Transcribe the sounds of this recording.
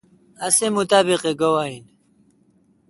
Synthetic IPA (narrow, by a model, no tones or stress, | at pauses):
ɐsemut̪aːbiqeɡɐwaːin